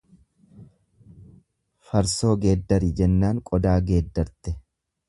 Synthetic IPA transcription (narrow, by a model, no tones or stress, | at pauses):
fɐɾso̞ːɡe̞ːd̪ːɐɾɪd͡ʒɛnːaːŋkʼɔd̪aːɡe̞ːd̪ːɐɾt̪ɛ